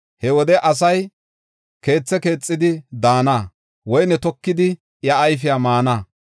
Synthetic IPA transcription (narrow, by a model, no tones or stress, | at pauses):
hɛwɔd̪ɛʔɐs̬ɐj | ke̞ːt͡sːɛke̞ːt͡sʼːɪd̪ɪd̪aːnaː | wɔjnɛt̪ɔkːɪd̪ɪ | jɐːjfɪjamaːnaː